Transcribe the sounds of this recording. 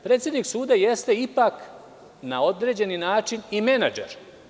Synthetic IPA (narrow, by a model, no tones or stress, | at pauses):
pɾet̪sʲjed̪niksuːd̪aje̞st̪e̞ipak | nao̞d̪ɾe̞ːd͡ʑe̞ninaːt͡ʃinime̞nad͡ʒḛɾ